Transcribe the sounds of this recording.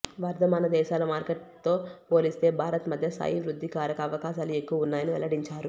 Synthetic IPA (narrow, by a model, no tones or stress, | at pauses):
ʋɐɾd̪ɐmaːnɐd̪ɛːʃaːlɐmaːɾkeʈt̪ːo̞ːpo̞ːlist̪e̞ːbʱaːɾɐt̪mɐd̪ʱjɐsa̰ːjiʋɾud̪ʱːikaːɾɐkɐːʋɐkaːʃaːlue̞kːuʋɐunːaːjɐniʋɛ̰lɐɽiɲt͡ʃaːɾu